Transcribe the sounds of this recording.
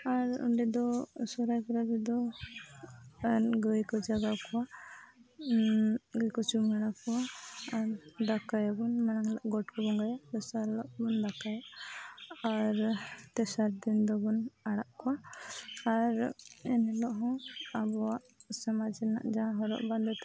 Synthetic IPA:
aɾṵɳɖid̪ɔsɔɾajkɔɾad͡ʒɛd̪ɔ | ɡəjkɔd͡ʒaɡakɔwa | ɡəjkɔt͡ʃumɛɽakɔwaːɾd̪akajabɔnmanaŋlaʔɡɔʈkɔbɔŋɡajat̪ɛsaɾlɔʔbɔnd̪akaja | aɾt̪ɛsaɾd̪ind̪ɔbɔnaɽaʔkɔwa | aɾɛnɛlɔʔɦɔ̃abɔwaʔsamad͡ʒɛna̰ʔd͡ʒaɦɔɾɔ̰ʔband̪ɔt̪ɛ

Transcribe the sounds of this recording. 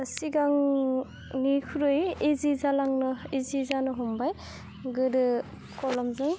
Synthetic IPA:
siɡaŋ | nikʰuɾɯjezizalaŋnɯizizanɯɦɔmbaj | ɡɯɾɯ | kɔlɔmzɯŋ

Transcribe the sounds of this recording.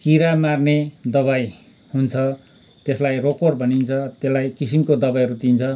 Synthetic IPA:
kiɾamarned̪ʌβaj | hunt͡sʰʌ | t̪eslajrokorbʱʌnint͡sʰʌt̪elːajkisimkod̪ʌbajɦʌɾut̪int͡sʰʌ

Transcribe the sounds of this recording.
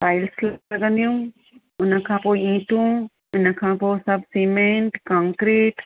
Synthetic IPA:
faːɪlslɐɡə̃nd̪ijũ | ʊnə̆kʰãːpoːiĩːʈũː | ʊnə̆kʰãːpoːsɐb̚ʱseːmẽɳʈkãːŋkɾiːʈ

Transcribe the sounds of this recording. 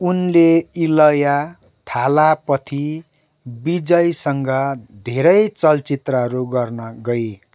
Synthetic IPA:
unleilʌja | t̪ʰalapʌt̪ʰi | bid͡zʌjsʌŋɡʌd̪ʱeɾʌjt͡sʌlt͡sit̪rʌɦʌɾuɡʌrnʌɡʌj

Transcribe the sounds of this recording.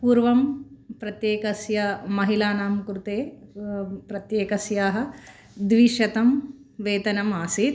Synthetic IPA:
puːɾʋɐmpɾɐt̪jeːkɐsjɐmɐɦilaːnaːmkɾut̪eː | pɾɐt̪jeːkɐsjaːɦɐ̆ | d̪ʋiʃɐt̪ɐm | ʋeːt̪ɐnɐmaːsit̪

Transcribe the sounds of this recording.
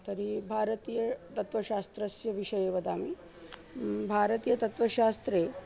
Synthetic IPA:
t̪ɐɾibʱaːɾɐt̪iːjɐt̪ɐt̪ʋɐʃaːst̪ɾɐsjɐʋiʂɐjeːʋɐd̪aːmi | bʱaːɾɐt̪iːjɐt̪ɐt̪ʋɐʃaːst̪ɾeː

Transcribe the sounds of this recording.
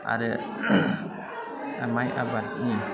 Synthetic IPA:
a̰ɾə | amajʔa̰bat̪̚ɲi

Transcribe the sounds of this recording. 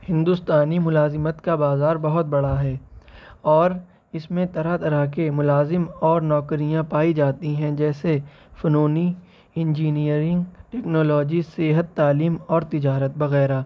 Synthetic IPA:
hɪ̃nd̪ʊst̪aːnimʊlaːzɪmət̪kabaːzaːɾbɐɦʊt̪̚bɐɽaɦɛː | ɔːɾ | ɪsmẽt̪ɐɾat̪ɐɾakemʊlaːzɪmɔːɾnɔːkɾijãpaːid͡ʒaːt̪iɦɛ̃d͡ʒɛːse | fɐnoːni | ɪ̃nd͡ʒiːnijəɾɪ̃ŋɡʈɛːknoːlɔːd͡ʒiseɦət̪ːaːliːmɔːɾt̪ɪd͡ʒaːɾət̪̚bɐɣɛːɾaː

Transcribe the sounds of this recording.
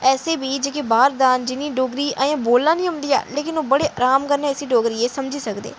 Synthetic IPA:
ɛːseːbiːd͡ʒeːkebaːɾd̪aːnd͡ʒɪnĩːɖoːɡɾiːʔəjãːboːlːãːnĩːɦʊnd̪iːja̰ːleːkɪnoːbəɽeːʔəɾaːmkəɾnẽːsiːɖoːɡɾiːeːsəmd͡ʒiːsəkd̪ḛː

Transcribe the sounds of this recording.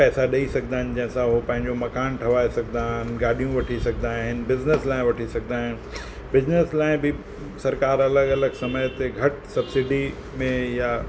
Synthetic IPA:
pɛːsaɗɐisɐk̚ʰd̪aːɦɪ̃nd͡ʑɐ̃ɦɪ̃sãɦopɐ̃ɦɪ̃ɲd͡ʑomɐkaːnʈʰɐʋaːesɐkd̪aːɦɪnɡaːɗijũʋɐʈʰisɐkʰd̪aːɦɪnbɪzneslaːɪ̃ʋɐʈʰisɐɡʰd̪aːɦɪnɪ | bɪzneslaːɪ̃bɪ | sɐɾkaːɾɐləɡɐləɡsɐməjt̪eɡʱɐʈsɐbsɪɖi | mẽja

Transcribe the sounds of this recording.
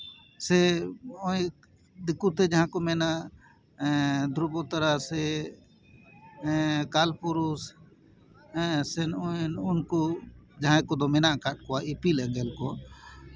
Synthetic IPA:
sɛɔj | d̪ikut̪ɛd͡ʒaɦãkɔmɛnaʔ | d̪ɾubɔt̪aɾasɛ | kalpuɾus | ɛsɛnnunkud͡ʒaɦãjkɔd̪ɔmɛnaʔkaʈ̚kɔaipilɛɡɛlkɔ

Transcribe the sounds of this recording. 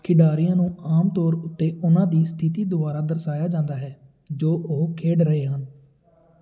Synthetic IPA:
kʰɪɖaːɾɪjãːnũːaːmt̪ɔːɾʊt̪ːeːʔʊnãːd̪iːst̪ʰɪt̪iːd̪ʊbaːɾaːd̪əɾsaːjaːd͡ʒãːnd̪aːɦɛː | d͡ʒoːʔoːkʰeːɖɾəɦeːɦən

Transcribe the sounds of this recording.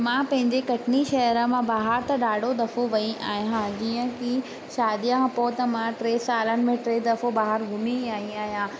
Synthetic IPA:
mãːpɐ̃ɦɪ̃ɲd͡ʑekɐʈʰɪniʃɐɦəɾəmãbaːɦəɾt̪ɐɗaːɖʱod̪ɐfoʋɐĩʔaːɦijãd͡ʑiːə̃ki | ʃaːd̪ijãpoːt̪ɐmãːʈɾeːsaːlənɪ̆mẽʈɾeːd̪ɐfobaːɦəɾɡʱʊmiaːɦĩaːɦijãː

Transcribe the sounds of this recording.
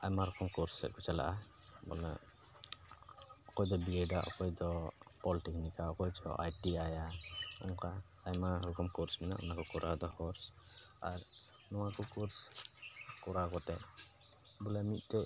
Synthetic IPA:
ajmaɾɔkɔmkuɾsɛ̰ʔ̚kɔt͡ʃala̰ʔabɔ̰la̰ | ɔkɔjd̪ɔbiɛɖaʔɔ̰kɔjd̪ɔpɔliʈiknikaɔkɔjd͡ʒɔ̰ʔa̰jʈiajaɔ̰ŋkaː | jmaɾukɔmkuɾsmɛna̰ʔɔ̰nakɔkɔɾʔad̪ɔhɔɾsa̰ɾ | nɔwakɔkuɾs | kɔɾakɔt̪ɛʔ | bɔlɛmit̪̚ˀt̪ɛ

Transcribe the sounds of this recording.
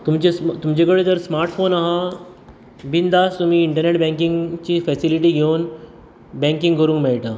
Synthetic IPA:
t̪umt͡ɕest̪umt͡ɕẽk̬əɭed͡zəɾsmaɾʈfonaɦa | bind̪ast̪um̤iːɳʈəɾneʈbɛ̃ŋkiŋɡt͡ɕiːfɛsiliʈ̬iːɡʱewn | bɛ̃ŋkĩŋɡkəɾũːŋkmeɭʈa

